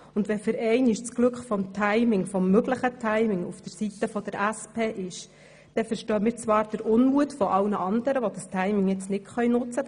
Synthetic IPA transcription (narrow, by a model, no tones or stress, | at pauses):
ʊnd̪ʋɛfɪɾɛɪnɪʃt͡sɡ̥lɵkχfɔmt̪ʰaɪmɪŋfɔmːøɡləχətʰaɪmɪŋṵfd̥əɾsitəfɔd̥̪əɾæspʰeːʔɪʃ | d̥ɛfəɾʃtøːmiːɾt͡sʋɑːɾd̥əɾʊnmuətfɔʔɑlnəʔɑnd̪əɾəʋod̥̪ɑstʰaɪmɪŋjɛt͡snɪtχœjnʊt͡sə